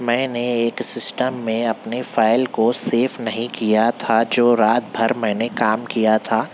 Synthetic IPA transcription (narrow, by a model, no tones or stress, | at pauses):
mɛ̃ːneeːksɪsʈəmːẽɐpnefaːɪlkoseːfnɐɦĩkijat̪ʰad͡ʒoːɾaːt̪̚bʱɐɾmɛ̃ːnekaːmkijat̪ʰaː